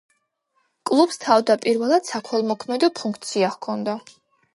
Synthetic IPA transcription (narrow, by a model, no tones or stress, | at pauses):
kʼlˠubst̪ʰavd̪apʼiɾvɛlˠad̪̥sakʰwɛlˠmɔkʰmɛd̪ɔpʰuŋkʰt̪sʰiahkʰɔnd̪a